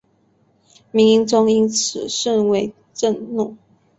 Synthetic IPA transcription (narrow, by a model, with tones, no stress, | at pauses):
mi˧˥ŋi˧˥ŋʈ͡ʂʊ˥ŋi˥nt͡s̩ʰ˨˩ʂə˥˧nwe˧˥ɪ | ʈ͡ʂə˥˧nnu˥˩˨